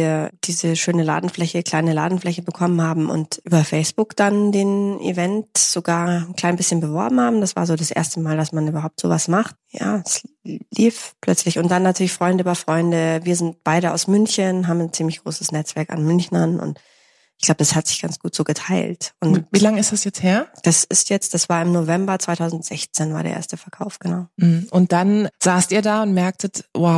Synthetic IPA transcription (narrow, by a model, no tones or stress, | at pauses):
viːɐd̥iːzəʃøːnəla̰ːdn̩flɛçəkʰl̥aɪnəla̰ːdn̩flɛçəbəkʰɔmənhaːbm̩ʔʊ̰ntʔyːbɐfɛɪsb̥ʊkd̥andeːnʔḭvɛntz̥oɡaːɐn̩kl̥aɪnbɪsçənbəvɔɐbm̩haːbm̩d̥asv̥a̰ɐzoːdasʔḛɐstəmaːldasmanʔyːbɐɦaʊptz̥o̰ːvasmaχtja̰ːsliːfpʰl̥œt͡slɪçʊnt̚d̥anːatʰyːɐlɪçfʁ̥ɔʏndəbɐfʁ̥ɔʏndəviːɐzɪnt̚b̥aɪɾəa̰ʊsmʏnçənɦaːbm̩nt͡siːmlɪçɡ̥ʁo̰ːsə̥snɛt͡sv̥ɛɐka̰nmʏnçn̩anʔʊ̰nt | ɪçɡ̥laʊbədashatz̥ɪçɡ̥ant͡sɡ̥uːtz̥oːɡətʰaɪltʔʊnvilaŋɪstd̥asjɛt͡sheːɐd̥asɪstjɛt͡std̥asv̥aːɐɪmnovɛmbɐt͡sv̥aɪtʰaʊzn̩tz̥ɛçt͡seːnvaːɐdḛɐʔḛɐstəfɛɐkʰaʊfɡ̥ənaʊm̩hm̩ʔʊnt̚d̥anz̥aːstiːɐdaːʊntmɛɐk̚tətwaʊ